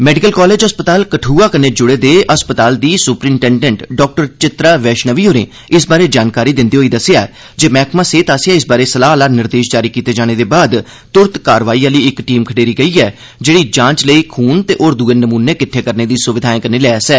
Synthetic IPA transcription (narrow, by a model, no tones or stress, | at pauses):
mɛːɖɪkəlkɔːleːd͡ʒɦəspət̪aːlkəʈʰuːaːkəneːd͡ʒʊɽeːd̪eːəspət̪aːld̪iːsʊpɾiːɳʈɛːɳɖɛ̃ɳʈɖɔːk̚ʈəɾt͡ʃɪt̪ɾaːʋɛːʃnəʋiːoːɾḛ̃ː | ɪsbaːɾeːd͡ʒaːnkaːɾiːd̪ɪ̃nd̪iːɦoːiːd̪əsjaːɛ | d͡ʒeːmɛ̃ːkʰmãːseːt̪aːsɪjaɪsbaːɾeːsəlaːlaːnɪɾd̪eːʃd͡ʒaːɾiːkiːt̪eːd͡ʒaːɽ̃eːd̪eːbaːd̪ | t̪ʊɾt̪kaːɾʋaːiːaːliːɪkʈiːmkʰəɖeːɾiːɡəiːɛː | d͡ʒeːɽiːd͡ʒãːt͡ʃləiːkʰuːnt̪eːʔoːɾd̪uːeːnəmuːneːkɪʈʰːeːkəɾneːd̪iːsʊʋɪd̪ʱaːẽːkəneːlɛːsɛː